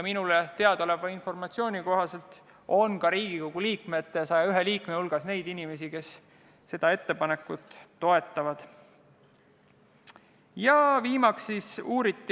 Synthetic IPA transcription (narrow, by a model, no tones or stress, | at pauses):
minulet̪e̞ɑd̪̥ole̞vɑinfo̞rmɑt̪sio̞ːnʲiko̞ɦɑse̞lt̪ˑ | o̞nkɑɾiːɡ̥iko̞ɡ̥uliːkme̞t̪ːeɑsɑjɑyɦeliːkmehulɡ̥ɑsne̞jd̪inime̞sike̞s | se̞d̪̥ɑe̞t̪ːe̞pɑne̞kːˑut̪ːo̞e̞t̪ːˑɑvɑd̪̥ | jɑviːmɑksːisuːɾit̪ˑːi